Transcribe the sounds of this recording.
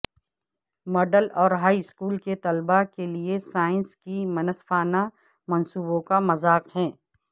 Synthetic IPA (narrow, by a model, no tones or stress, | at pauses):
mɔːɖəlɔːɾɦaːiɪskuːlket̪ɐlbakeliesaːɪ̃nskimɐnəsfaːna | mɐnsuːbõkamɐzaːqɦɛ̃ː